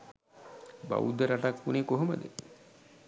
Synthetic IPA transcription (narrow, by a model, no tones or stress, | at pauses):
ba̰wṵd̪ːəɾaʈakːunekoɦoməd̪ḛ